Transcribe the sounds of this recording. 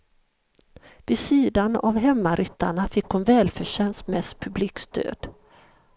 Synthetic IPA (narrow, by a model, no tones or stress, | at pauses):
vɪsiːd̪ana̰vɦɛmːaɾʔʏt̪ːaɳafɪkːhʊnvɛːlfœʂɛnsmɛspʰɵbliːkst̪ʰø̰ːd̪̥